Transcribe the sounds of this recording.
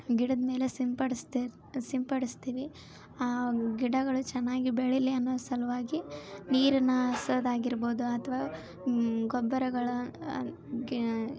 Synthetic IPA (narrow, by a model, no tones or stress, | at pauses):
ɡiɽɐd̪ɐme̞ːlesimpɐɽst̪ | simpɐɽist̪iːʋi | aːɡiɽɐɡɐɭut͡ʃɛnːaːɡibeɭiliɐnːoːsɐlɐʋaːɡiniːɾɐnːɐɐsɐd̪aːɡiɾboːd̪uɐt̪ʰɐʋaː | ɡɔbːɐɾɐɡɐɭu